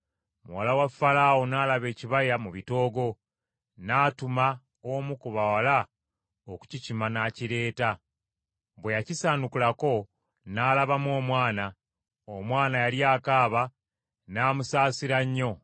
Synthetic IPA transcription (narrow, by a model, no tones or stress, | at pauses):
muwalawafːalawonaːlaβe̞ːciβajamuβito̞ːɡo̞ | naːtuma | omukuβawala | oku̥cicimanaːciɾe̞ːta | βwejacisaːnukulako̞ | naːlaβamo̞ːmwaːna | omwaːnajaljaːkaːβa | naːmusaːsiɾaɲːo̞